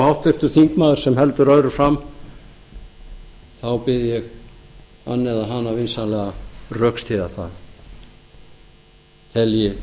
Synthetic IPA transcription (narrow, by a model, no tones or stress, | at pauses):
hawht̪fɪr̥t̪ʏ̥θiŋkmaːðɪɾ̥sɛmhɛlt̪ʏɾœðɾʏfɾamː | θawpɪðɪjɛɣ | a̰nːɛðaɦanːavɪnsanlɛɣarœkst̪ʰiðaθa̰ð | t̪ʰɛljɪ